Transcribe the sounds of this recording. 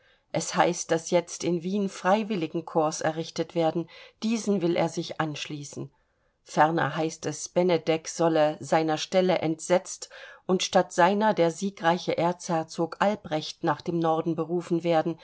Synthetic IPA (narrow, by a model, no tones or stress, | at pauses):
ʔɛshaɪst̚d̥asjɛt͡stɪnviːnfʁ̥aɪvɪlɪɡŋ̩kʰʊɐsɛɐʁɪçtətv̥eːɐdn̩d̥iːzn̩vɪlʔḛːɐzɪçʔanʃliːsn̩ | fɛɐnɐ̰ɦaɪstɛsb̥ɛnɛdɛkz̥ɔləzaɪnɐʃtɛləʔɛntz̥ɛt͡stʔʊntʃtatz̥aɪnɐdeːɐziːkʁaɪçəʔeːɐt͡shɛɐt͡soːkʔalbʁɛçtnaːχd̥eːmnɔɐdn̩bəʁuːfn̩veːɐdn̩